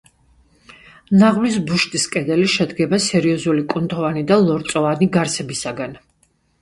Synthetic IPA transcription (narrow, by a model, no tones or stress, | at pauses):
naʁvlisbuʃt̪ʼiskʼɛd̪ɛliʃɛd̪ɡɛbasɛɾiɔzulikʼunt̪ʼɔvanid̪alˠɔɾt̪sʼɔvaniɡaɾsʰɛbisaɡan